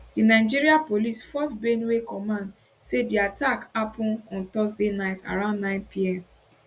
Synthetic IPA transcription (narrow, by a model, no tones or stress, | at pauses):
d̥inaɪd͡ʒiɾiapolisfɔstbenwekɔmãnd | sediatakapʊ̃nɔ̃nt̪ɔsdenaɪta̰ɾãʊ̃ndːnãɪ̃npiɛm